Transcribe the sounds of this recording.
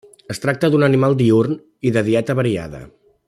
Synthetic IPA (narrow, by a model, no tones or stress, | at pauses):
əst̪ɾak̚t̪əðunənimalˠd̪iurn | iðəðiɛt̪əβəɾia̰ðə̰